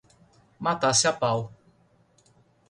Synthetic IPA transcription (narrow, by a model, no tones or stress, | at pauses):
mat̪asɪapaw